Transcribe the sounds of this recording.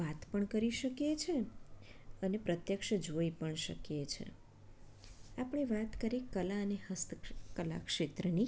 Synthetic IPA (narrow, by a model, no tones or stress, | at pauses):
at̪pəɳkəɾiʃəkjet͡ʃʰe | ənepɾət̪jəkʃəd͡ʒoipəɳʃə̰kjet͡ʃʰḛ | apɳ̃eʋat̪kəɾikəlaənehəst̪əkəla̰kʃet̪ɾəni